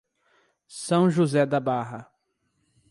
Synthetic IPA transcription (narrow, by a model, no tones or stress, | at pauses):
sɐ̃w̃ʒuzɛd̪abaɦɐ